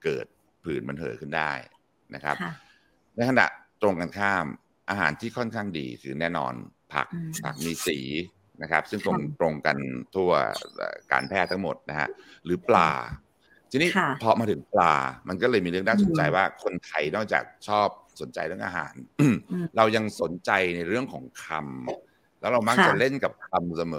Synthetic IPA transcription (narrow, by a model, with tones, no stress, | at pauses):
kɤ̰ː˨˩t̪̚ | pʰɯː˨˩nma˧nɦɤː˩˦jkʰɯ˥˩ndaː˥˩j | nʔa̰˦˥kʰa̰˦˥p̚ | na˧jkʰa˧na̰˨˩ʔt̪ɾo˧ŋkaː˧nkʰaː˥˩m | ʔaː˧ɦa̰ː˩˦nt̪ʰiː˥˩kʰɔ˥˩nkʰaː˥˩ŋdḭː˧kʰɯː˧nɛː˥˩nɔ̰ː˧npʰa̰˨˩k̚pʰa̰˨˩k̚miː˧siː˩˦ | na˦˥kʰa˦˥p̚sɯ˥˩ŋt̪o˧ŋt̪ɾo˧ŋka˧nt̪ʰu˥˩ɐə̰ː˨˩ka̰ː˧npʰɛː˥˩t̪ʰːa˦˥ŋmo˨˩t̪̚na˦˥kʰa̰˦˥ʔɾɯː˩˦pla̰ː˧ | t͡ɕʰi˧niː˦˥pʰɔ˧maː˧t̪ʰɯ˩˦ŋpla̰ː˧ma˧nkɔː˥˩lɤː˧jmiː˧ɾɯ˥˩ə˨naː˥˩so˨˦nt͡ɕa˧jwaː˥˩kʰo˧nt̪ʰa˧jnɔː˥˩k̚t͡ɕa̰ː˨˩k̚t͡ɕʰɔː˥˩p̚so˨˩˦nt͡ɕa˧jɾɯ˥˩əŋʔa̰ː˧ɦa̰ː˩˦nʔɾa˧wja˧ŋso˨˩˦nt͡ɕa˧jna˧jɾɯ˥˩əŋkʰɔː˩˦ŋkʰa˧m | lɛː˦˥wɾa˧wma˥˩kt͡ɕa˨˩le˥˩nka˨˩p̚kʰa˧msa˧mɤː˨˩˦